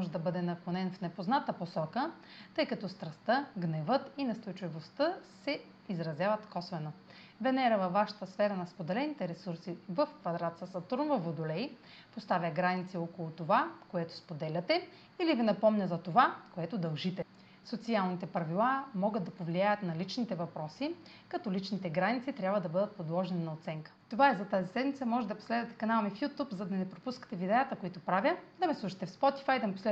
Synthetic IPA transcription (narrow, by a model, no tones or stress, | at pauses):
mɔʒɛd̪ɐbɤd̪ɛnɐkˠonɛnfnɛpoznat̪əposɔkə | t̪ɤjkɐt̪ɔst̪ɾɐst̪əɡnɛvɤt̪inɐst̪ojt͡ʃivost̪əsɛ | izɾɐzʲjavɐt̪kɔsvɛno | vɛnɛɾəvɐvːaʃə̥t̪əsfɛɾɐnɐspod̪ɛlɛnit̪ɛɾɛsuɾsivəfkvɐd̪ɾat̪səsɐt̪oɾnvəvod̪olɛj | post̪avʲəɡɾanit̪siokolˠʊt̪ovakoɛt̪o̥spod̪ɛlʲɐt̪ɛ | ilivinɐpɔmnʲəzɐt̪ovakoɛt̪od̪ɐlˠʒit̪ɛ | sot̪sialˠnit̪ɛpɾɐvilˠamɔɡəd̪d̪ɐpovliajət̪nɐlit͡ʃnit̪ɛvɐpɾɔsi | kɐt̪ɔlit͡ʃnit̪ɛɡɾanit̪sit̪ɾʲabvəd̪ɐbɤd̪ət̪̚pod̪lˠɔʒɛninɐot̪sɛŋkə̥t̪ovaɛzɐt̪azisɛd̪mit̪əmɔʒɛd̪ɐpo̥slɛd̪vɐt̪ɛ̥kɐnalˠmifjut̪upzɐd̪ɐnɛpɾopuskə̥t̪ɛvid̪ɛjət̪əkoit̪opɾavʲəd̪ɐmɛslˠuʃə̥t̪ɛfspɔt̪ifajd̪ɐmɛposlɛ